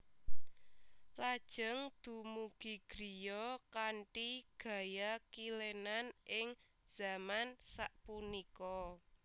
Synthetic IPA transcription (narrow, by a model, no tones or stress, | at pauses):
lad̥ʒ̥ə̤ŋd̪̥ṳmuɡ̥i̤ɡ̥ɾijɔkaɳʈiɡ̥ä̤jakilenanʔɪŋ | z̥a̤mansaʔpunikɔ